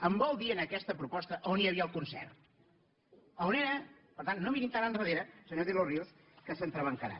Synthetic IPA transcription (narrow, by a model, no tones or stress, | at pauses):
əmbɔlˠd̪iənəkɛst̪əpɾupɔst̪əʔoniəβiəlˠkunsɛ̰r | əoneɾə | pəɾt̪anːomiɾint̪aɾaənrəð̞eɾəsəɲoðilorilˠs | kəsənt̪ɾəβəŋkəɾa̰